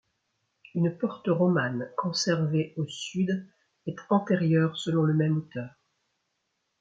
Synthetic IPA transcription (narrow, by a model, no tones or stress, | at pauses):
ynpɔʁt̪əʁɔmankɔ̃sɛʁveʔosyd̪ | ɛt̪ɑ̃t̪eʁjœːʁsəlɔ̃ləmɛmot̪œːʁ